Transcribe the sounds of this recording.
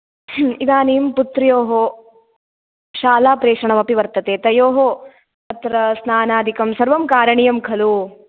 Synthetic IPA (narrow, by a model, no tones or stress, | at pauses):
id̪aːniːmput̪ɾɐjoːɦo | ʃaːlaːpɾeːʂɐɳɐmɐpiʋɐɾt̪ɐt̪eːt̪ɐjoːɦo | t̪ɐt̪ɾɐsnaːnaːd̪ʱikɐmsɐɾʋɐmkaːɾɐɳijɐmkʰɐlu